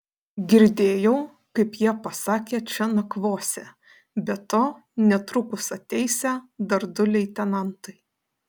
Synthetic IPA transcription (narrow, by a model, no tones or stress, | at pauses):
ɡʲɪɾʲd̪ʲeːjɛʊ | kɐɪpjiɛpɐsɑːkʲeːt͡ʃʲɛnɐkʋoːsʲɛ | bʲɛt̪oː | nʲɛt̪ɾʊkʊsɐt̪ʲɛɪsʲæd̪ɐɾd̪ʊlʲɛɪt̪ʲɛnɐnt̪ɐɪ